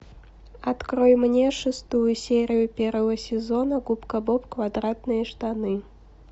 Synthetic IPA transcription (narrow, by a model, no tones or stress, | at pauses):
ɐt̪kɾojmnʲeʂɨst̪ujʊsʲeɾʲɪjʊpʲervəvəsʲɪzonəɡupkəbopkvad̪ɾat̪nɨjəʂt̪anɨ